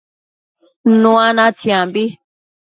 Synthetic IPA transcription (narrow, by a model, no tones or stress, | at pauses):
nũãnãt͡sʰjãmbi